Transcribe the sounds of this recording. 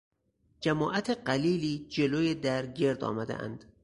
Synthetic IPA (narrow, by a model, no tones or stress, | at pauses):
d͡ʒæmɒːʔæt̪ʰeɢæliːliːd͡ʒe̞loːjed̪æɾɟe̞ɾd̪ɒ̰ːmæd̪ḛʔæ̰nd̪̥